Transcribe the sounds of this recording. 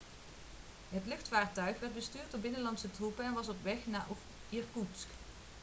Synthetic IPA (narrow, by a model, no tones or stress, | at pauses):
ɦətlɵxtfaːɹtœɥχʋɛɹd̚bəstyːɹdʊːɹbɪnəlɑntsətrupəɛnʋɑsɔpʋɛxnaːʔ | iɹkusk